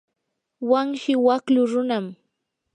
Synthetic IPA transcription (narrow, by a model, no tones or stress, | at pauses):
waŋʃɪwaklʊɾʊnam